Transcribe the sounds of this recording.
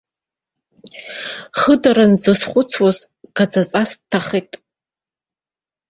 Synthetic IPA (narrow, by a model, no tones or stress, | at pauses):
χədaɾand͡zɨsχʷʊt͡sʰwaz | ɡad͡zat͡sʼastʰːaχejtʼ